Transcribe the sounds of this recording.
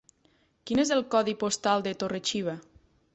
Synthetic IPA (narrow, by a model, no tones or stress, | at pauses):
kinezəlˠkɔðipost̪alˠd̪et̪oret͡ʃiβ̞a